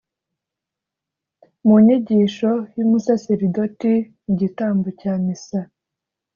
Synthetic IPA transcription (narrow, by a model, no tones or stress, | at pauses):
muɲiɟiʃo̞jumusaseɾidotiniɟitaːmbocaːmisa